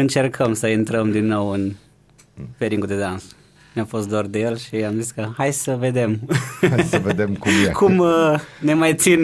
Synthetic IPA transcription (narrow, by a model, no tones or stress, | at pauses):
ɨnt͡ʃe̞rkʰəmsəint̪ɾəmd̪inːo̞wɨn | peɾiŋɡud̪e̞d̪ans | nʲafo̞st̪̚d̪ord̪e̞jelʃiamziskəhajsəve̞d̪e̞m | səved̪emkukʰumne̞majt̪sin